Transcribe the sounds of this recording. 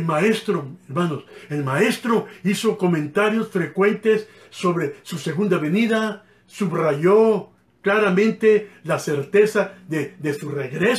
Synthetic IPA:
lmaest̪ɾoeɾmano̞se̞lmae̞st̪ɾo̞iso̞ko̞mẽ̞nt̪aɾjo̞sfɾe̞kwe̞nt̪e̞sː | o̞βɾesuse̞ɣund̪aβe̞niða | suβraʝo̞ | klaɾamẽnt̪e̞lase̞ɾt̪e̞saðeðe̞sureɣɾes

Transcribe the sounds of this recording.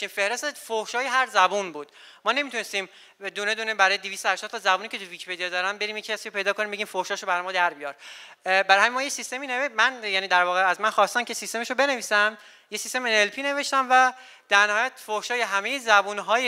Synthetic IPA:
iːmfe̞hɾe̞st̪efohʃɒːjeɦæɾzæbunbuːd̪̥ | mɒːne̞mit̪ʰunest̪iːm | d̪une̞d̪unebæɾɒːjeevist̪ohæʃt̪ɒd̪t̪ʰɒzæbuːniːcʰe̞t̪ʰuvicpʰed̪ijed̪ɒːɾæmbe̞ɾiːmjecʰːæsiopʰejd̪ɒːkʰo̞nimbeɟiːmfohʃɒːʃobæɾɒjmɒːd̪æɾbijɒɾbæɾɒhæmimɒːjesist̪e̞miːnevemænjæːniːd̪æɾvɒːɣeæzmænxɒːst̪æmcʰesist̪e̞meʃobe̞ne̞viːsæm | jesist̪e̞menelpʰiːne̞veʃt̪æmvæ | d̪̥æɾnæɦɒːjæt̪fohʃɒːje̞ɦæme̞jezæbuːnɦɒːje

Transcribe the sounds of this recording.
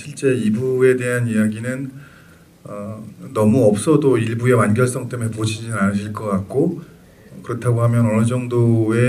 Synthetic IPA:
ɕʰiɭt͡ɕ͈e̞ibue̞de̞ɦanijaɡinɯn | ʌnʌmuʌp̚s͈ʌdoiɭbue̞manɡjʌɭs͈ʌŋt͈emepod͡ʑʰid͡ʑinad͡ʑiɭk͈ʌk͈at̚k͈o | kɯɾʌtʰaɡoɦamjʌnʌnɯd͡ʑʌŋdoe

